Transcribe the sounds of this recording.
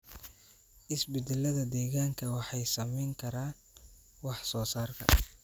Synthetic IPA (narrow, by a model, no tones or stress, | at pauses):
ʔɪsbɪd̪ɛlɐðɐd̪ɛːɣaːŋkʰɐwɑħɑjsɐmɛjŋkʰɐɾaːn | wɑħsɔːsaːrkʰɐ̰